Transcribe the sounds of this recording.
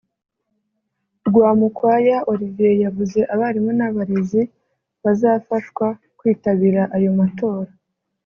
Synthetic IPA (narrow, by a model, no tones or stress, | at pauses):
ɾɡwaːmukwajaʔo̞ɾiviejavuze̞ʔaβaɾimonaβaɾe̞zi | βazaːfaʃkwa | kwiːtaβiɾaʔajo̞matʰo̞ːɾa